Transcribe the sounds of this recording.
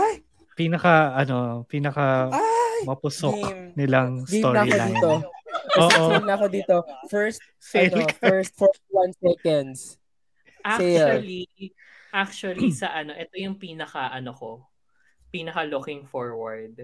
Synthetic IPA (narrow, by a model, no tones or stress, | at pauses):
ʔaj | piːnɐkɐʔɐno̞piːnɐkɐajmɐpʊsoknɪlɐŋsd̪ioɐiloiːt̪ooːʔonɐɐkod̪iːt̪ofɛɹst̪̚ | senlkfɐɛɹst̪̚fɛɹwɐ̃nsɛkɐnd̪s | ʔakɛɐli | ʔak̚t͡ʃuɐlisɐʔɐno̞ʔɛt̪o̞jʊŋpiːnɐkɐʔɐnoko | piːnɐkɐlʊkɪŋfoɹwɐɹd̪̚